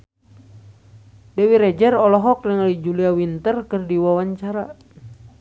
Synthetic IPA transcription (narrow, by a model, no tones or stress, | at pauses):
dɛwiɾɛd͡ʒərɔlɔɦɔk̚nəŋalid͡ʒuliawint̪ərkɨrdiwawaɲt͡ʃaɾa